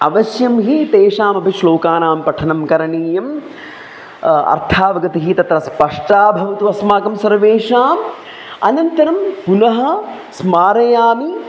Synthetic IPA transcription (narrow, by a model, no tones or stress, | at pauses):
ɐ̰ʋɐʃjɐmɦit̪eːʂaːmɐbʱiʃloːkaːnaːmpɐʈʰɐnɐmkɐɾɐɳiːjɐm | ɐ̰ɾt̪ʰaːʋɐɡɐt̪iɦit̪ɐt̪ɾɐspɐʂʈaːbʱɐʋɐt̪uʋɐsmaːkɐmsɐɾʋeːʂaːm | ɐ̰nɐnt̪ɐɾɐmpunɐɦɐ̆ | smaːɾɐjaːmi